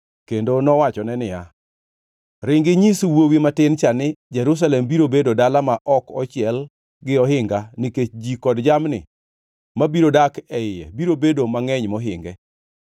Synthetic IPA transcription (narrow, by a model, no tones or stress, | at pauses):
kendonɔwat͡ʃɔnɛnɪja | ɾɪŋɡɪɲiswowimatɪnt͡ʃanɪd͡ʒɛɾus̬alɛmbiɾobedodalamaʔɔkɔt͡ʃɪɛl | ɡɪɔɦɪŋɡanɪket͡ʃd͡ʒikɔdd͡ʒamnɪ̰ | mabiɾodakɛɪjɛ̰biɾobedomaŋɛɲmɔɦɪŋɡɛ